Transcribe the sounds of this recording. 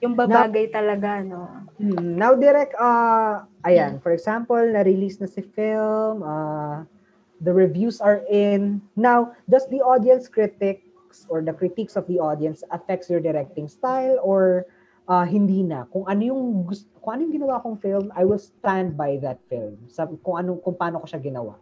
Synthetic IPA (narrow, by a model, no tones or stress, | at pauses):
jʊŋbɐnbaːɡɐjt̪ɐlɐɡanomm̩ːnawd̪ɛɾɛk̚t̪ɐʔɐjanfɔɹɛɡsampɐlnɐɾɪliːsnɐsɪfɪllmɐ | d̪ɐɹɪvjusɐɹʔɪnːawd͡ʒɐst̪̚d̪iʔod̪ijɐnskɾit̪ɪk | sɔɹd̪ɐkɾɪt̪iksɔfd̪iʔod̪iɐnsɐfɛk̚t̪sjɔɹd̪ɛɾɛk̚t̪ɪ̃ŋst̪ajlɔɹ | ʔɐɦɪnd̪iːnɐ̰kʊŋʔɐnojʊŋɡʊstkʊŋʔɐnojʊŋɡɪnɐwaɐkoŋfɪlmajwɪlst̪ãnd̪̚bajðɐt̪̚fɪ̰lmsɐkʊŋʔɐnokʊŋpaːnokoʃaɡɪnɐ̰wa̰